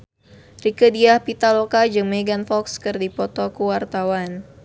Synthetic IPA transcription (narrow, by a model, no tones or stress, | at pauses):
rikədiahpit̪alokad͡ʒɨŋmeɡanfɔkskɨrdipɔt̪ɔkuwart̪awan